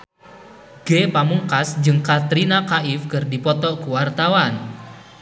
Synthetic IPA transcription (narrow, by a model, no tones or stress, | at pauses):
ɡ̥epamuŋkasd͡ʒɨŋkat̪ɾinakaɪfkərdipɔt̪ɔkuwart̪awan